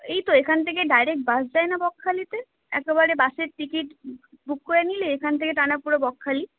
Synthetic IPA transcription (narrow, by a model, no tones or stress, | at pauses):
ejt̪oekʰanet̪ʰek̬eɖajɾek̚ʈ̚basd͡ʒaenabɔkʰːalit̪e | ɛ̰kebaɾebaʃeɾʈikiʈ | bukːojenileekʰant̪ʰekeʈanaɾpuɾobɔkʰːali